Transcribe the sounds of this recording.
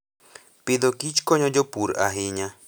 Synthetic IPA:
pid̪okit͡ʃkoɲõd͡ʒopuɾʔa̰ɦiɲã

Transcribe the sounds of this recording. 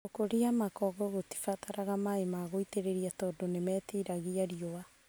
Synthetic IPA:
okoɾeamakɔɣɔɣoti̥fataɾaɣamaemaɣoiteɾeɾiatɔːdonemɛteɾaɣiaɾiowa

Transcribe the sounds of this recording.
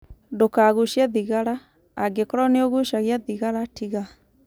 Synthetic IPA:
dokaɣuʃiɛðiɣaɾa | aɡekɔɾɔneoɣuʃaɣjaðiɣaɾatiɣa

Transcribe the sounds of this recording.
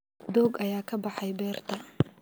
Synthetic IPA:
d̪ɔːɡɐjaːkʰɐbɑħɑjbɛːrt̪ʰɐ

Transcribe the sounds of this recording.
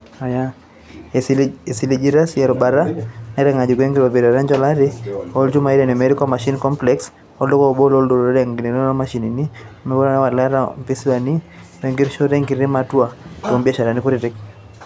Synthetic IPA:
haja | isilid͡ʒiɾasjaɾɔbaɾanaɾɛŋad͡ʒiɡwɛŋɡiɾɔbiɾaɾaɲd͡ʒɔlaɾiɔld͡ʒumaiɾanɔmɛɾikwamaʃinkɔmplɛks | ɔldɔkaɔɓɔlɔldɔɾɔɛɾɛŋɡinilɔɾɔmaʃininimɛβɔlanawalaɾam̩pisiwani | ɾɛŋɡiɾʃɔɾɛŋɡiɾɛmatuaɔmbiaʃaɾanikuɾiɾɛk

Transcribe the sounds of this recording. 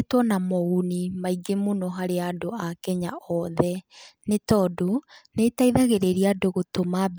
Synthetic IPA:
twɔnamɔunimaiɡemonɔɦaɾeadoakɛɲaʔɔðɛnetɔːdonetaiðaɣeɾeɾiadoɣotomab

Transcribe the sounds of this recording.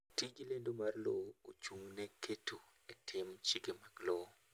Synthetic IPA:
tid͡ʒilendomarloot͡ʃuŋnɛkʰetʰo | ɛtʰɪmt͡ʃiɡemaklɔ

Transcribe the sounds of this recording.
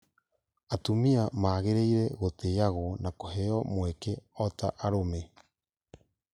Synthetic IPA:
atumiamaːɣeɾeiɾɛɣoteaɣonakohɛjɔmwɛkeɔta̰ʔaɾome

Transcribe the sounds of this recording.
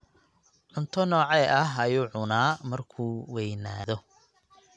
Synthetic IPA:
ʕʊnt̪ʰɔnɔːʕɛjʔɐɦɐjuːʕʊnaːmɐrkʰuːwɛjna̰ːðɔ

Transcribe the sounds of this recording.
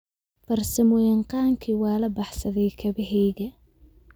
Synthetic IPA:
fɐrsɐmwɛɴqɑːŋkʰiwɑːlɐbɑħsɐðɛjkʰɐβɪɦɛjɣɐ

